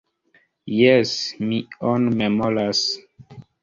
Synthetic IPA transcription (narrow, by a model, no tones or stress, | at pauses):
jesmionmemolas